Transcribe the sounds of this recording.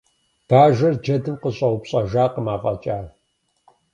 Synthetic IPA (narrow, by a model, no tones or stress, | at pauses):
b̥aːʒɐrd͡ʒɐdɨmqəɕʼɐwʊpɕʼɐʒaːqəmaːfʼɐt͡ʃʼaː